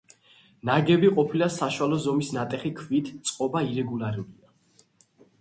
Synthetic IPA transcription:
naɡɛbiqʼɔpʰilasaʃwalɔzɔmisnat̪ʼɛχikʰvit̪ʰt̪sʼqʼɔbaiɾɛɡulaɾulia

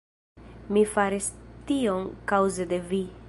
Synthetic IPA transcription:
mifaɾistioŋkawzede̞vi

